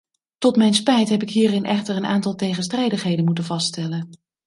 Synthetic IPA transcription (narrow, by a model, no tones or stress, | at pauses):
tɔtmɛjnspɛjtɦɛpɪkɦiːrɪnʔɛχtəɹənʔa̰ːntɑlˠtejχənstrɛjdəχɦejdənmutənvɑststɛlən